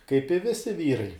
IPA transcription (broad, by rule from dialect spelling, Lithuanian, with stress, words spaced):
kɐɪp ɪ ˈʋʲɪsʲɪ ˈʋʲiːrɐɪ